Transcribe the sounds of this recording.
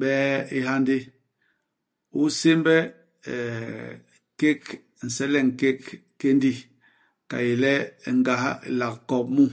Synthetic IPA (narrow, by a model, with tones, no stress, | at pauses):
ɓɛː˦i˦ha˦ndi˦ | u˦se˦mbɛ˦˨ | ke˦k | n̩˨sɛ˦lɛ˦ŋ˨ke˦k | ke˦ndi˦ | ka̰˨je˨lɛ˦˨ŋɡa˨hla˨kkɔ˨p̚mu˦